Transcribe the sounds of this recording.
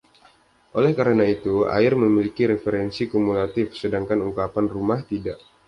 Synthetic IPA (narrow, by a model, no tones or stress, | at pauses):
ʔolɛhkaɾənait̪ua̰ɪrməmilikiɾefeɾɛnsikumulat̪ɪfsədaŋkanuŋkapanrumaht̪idaʔ